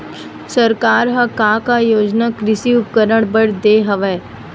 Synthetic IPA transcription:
sɐɾkaːɾɦɐkakajoːd͡ʒnakɾɪsiʊp̚kəɾəɽ̃bəɽd̪eːɦɐʋɛː

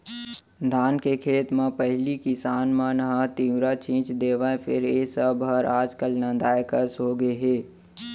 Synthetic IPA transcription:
d̪ʱaːnkekʰeːt̪mãpəɦlikɪsaːnmãnəɦãt̪iːʋɾat͡ʃĩːt͡ʃd̪eːʋaepʰɪ̰ɾeːsəbəɾaːd͡ʒkəlnãd̪aːjkəsɦoɡəeɦeː

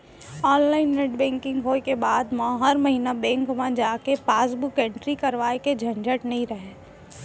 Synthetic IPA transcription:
ɔːnlaːɪnːeʈbɛ̃ːŋkɪ̃ŋɡɦoːekebaːd̪mãːɦɐɾmɐɦiːnabɛ̃ːŋkmãd͡ʒaːkepaːs̬bʊkɛ̃ɳʈɾikɐɾʋaːeked͡ʒʱɐ̃ɲd͡ʒəʈnɐɦĩɾɐɦeː

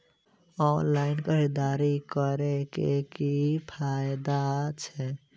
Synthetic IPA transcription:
ɔnlainkəɾid̪aɾikəɾekekipʰajd̪at͡ʃʰɛ

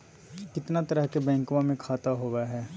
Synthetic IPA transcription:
kɪt̪nat̪ɐɾəɦkebɛ̃ːŋkʋãmẽkʰaːt̪aɦoːʋaɦɛː

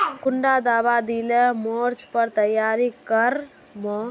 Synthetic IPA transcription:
kuɳɖad̪aːbad̪ilemoɾt͡ʃpəɾt̪əjaːɾikəɾ | mɔ

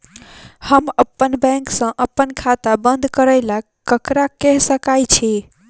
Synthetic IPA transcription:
həməpːənbɛ̃ŋksə̃ʔəpːənkʰat̪abənd̪ʱkəɾəɪlakkːəkɾakɛɦsəkajt͡ʃʰi

